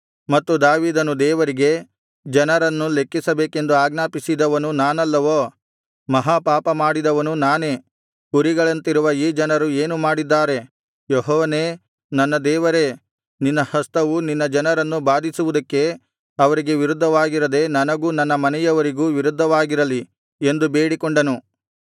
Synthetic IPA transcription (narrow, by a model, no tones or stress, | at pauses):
mɐt̪ːud̪aːʋiːd̪ɐnud̪ɛːʋɐɾiɡe̞ | d͡ʒɐnɐɾɐnːule̞kːisɐbeːke̞nd̪uaːɡnaːpisid̪ɐʋɐnunaːnɐlːɐʋoː | mɐɦaːpaːpɐmaːɽid̪ɐʋɐnunaːne̞ː | ɡuɾiɡɐɭɐnt̪iɾuʋɐiːd͡ʒɐnɐɾueːnumaːɽid̪ːaːɾe̞ | joɦɔːʋɐne̞ː | nɐnːɐd̪ɛːʋɐɾe̞ | ninːɐhɐst̪ɐʋuninːɐd͡ʒɐnɐɾɐnːubaːd̪ʱisuʋud̪ɐkːe̞ | ɐʋɐɾiɡe̞ʋiɾud̪ʱːɐʋaːɡiɾɐd̪e̞nɐnɐɡuːnɐnːɐmɐnɛjɐʋɐɾiɡuːʋiɾud̪ʱːɐʋaːɡiɾɐli | end̪ubeːɽikoɳɖɐnu